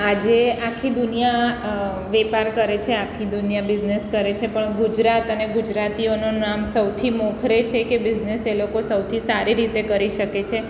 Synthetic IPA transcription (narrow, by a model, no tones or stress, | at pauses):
ad͡ʒeakʰːid̪unija | ʋɛpaɾkəɾet͡ʃʰeakʰːid̪unijabɪd͡ʒneskəɾet͡ʃʰepəɳɡud͡ʒɾat̪əneɡud͡ʒɾat̪iononamsəwt̪ʰimokʰɾet͡ʃʰekebɪd͡ʒneselokosəwt̪ʰisaɾiɾit̪ekəɾiʃəket͡ʃʰe